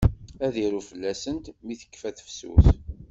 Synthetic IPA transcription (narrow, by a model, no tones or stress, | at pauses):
æðiɾufəlːæsənt̪miθə̥kːfæθə̥fsṵθ